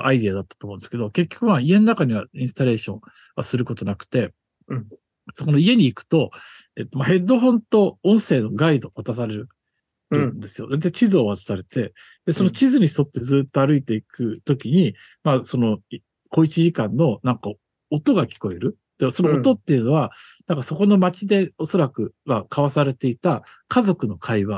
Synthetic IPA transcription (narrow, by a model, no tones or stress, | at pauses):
ʔaid̪iad̪at̪ːat̪omõnsɨ̥ked̪o̞ke̞kʲːo̞̥kɯ̟maie̞no̞nakaɲ̟iβaĩsɨ̥t̪aɾe̞ːɕõ̞ | βa̰sɨɾɯ̟ko̞t̪o̞nakɯ̥t̪e̞ | sokono̞ie̞ɲ̟iːkɯ̟̥t̪o̞ | e̞t̪ːomahe̞d̪o̞ɦõ̞nt̪o̞õɰ̃se̞ːno̞ɡaid̪o̞βat̪asaɾe̞ɾɯ̟ | t̪õnd̪e̞sɨjo̞d̪aɾet̪ːat͡ɕizɨo̞βat̪ḁsaɾe̞t̪e̞ | d̪̥e̞so̞no̞t͡ɕizɨɲ̟ist̪o̞t̪ːe̞zɨːt̪ːo̞aɾɯit̪e̞ikɯ̟t̪o̞kʲiɲ̟i | maso̞no̞ | ɡo̞it͡ɕiʑikãnːo̞nãŋka | ot̪o̞ɡakʲi̥ko̞e̞ɾɯ̟ | d̪̥eso̞noːt̪o̞t̪ːe̞iɯ̟no̞βanãŋkaso̞ko̞no̞mat͡ɕid̪e̞o̞so̞ɾakɯ̟makʰaβasaɾe̞t̪e̞it̪a | kazo̞kɯ̟no̞kʰaiβa